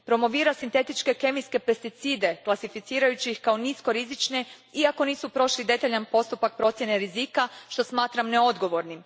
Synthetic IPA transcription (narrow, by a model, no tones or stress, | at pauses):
pɾo̞mo̞ʋiːɾasint̪e̞t̪it͡ʃke̞ke̞miske̞pe̞st̪it̪siːd̪e̞klˠasifit̪siːɾajut͡ɕiixkao̞nisko̞ɾizit͡ʃne̞ | iako̞niːsupɾo̞ʃlid̪e̞t̪aʎanpo̞st̪upak̚pɾo̞t̪sjene̞ɾizikaʃt̪o̞smaːt̪ɾamneo̞d̪ɡo̞ʋo̞ɾnim